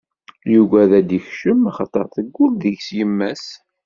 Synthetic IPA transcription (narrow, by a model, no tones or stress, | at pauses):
juɡæðæd̪içʃəmaχɑt̪ˤːə̰ɾˤθəɡːulðəʝsjəmːæs